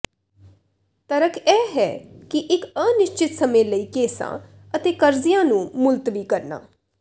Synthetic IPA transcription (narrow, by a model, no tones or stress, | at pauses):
t̪əɾəkʰɛːɦɛ̰ːkɪʔɪkəːnɪʃt͡ʃɪt̪səmẽːləiːkeːsã̰ː | ət̪eːkəɾzijãːnũːmʊlt̪ʋiːkəɾna̰ː